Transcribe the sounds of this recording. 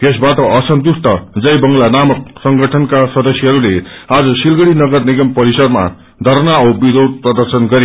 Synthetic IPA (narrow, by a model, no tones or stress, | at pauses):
t̪esbaʈʌʔʌsʌnt̪usʈʌd͡zʌjbʌŋɡlanamʌk̚sʌŋɡʌʈʰʌnkasʌd̪ʌsjʌɦʌɾulead͡zʌsilɡʌɽinʌɡʌrniɡʌmpʌɾisʌd̪ma̰ | d̪ʱʌɾnaʌbid̪ʱow̪̚prʌd̪ʌrsʌnɡʌɾe